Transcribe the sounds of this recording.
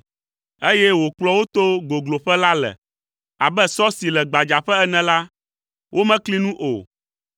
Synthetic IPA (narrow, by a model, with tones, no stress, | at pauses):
e˦jɛ˦wo˨k͡plɔ˦wo˦t̪o˦ɡo˨ɡlo˨ɸɛ˦la˦lɛ̰˨ | a˨bɛ˦sɔ˦si˨lɛ˨ɡ͡ba˨d͡ʒa˨ɸɛ˦ɛ˦nɛ̃˨la˦ | wʔo˦mɛ̃˦kli˦nũ˦ʔo̰˨